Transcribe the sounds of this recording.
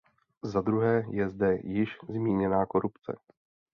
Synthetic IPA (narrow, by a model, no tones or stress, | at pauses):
zad̪ɾuɦɛːjɛzdɛjɪʃzmiːɲɛnaːko̞ɾupt͡sɛ̰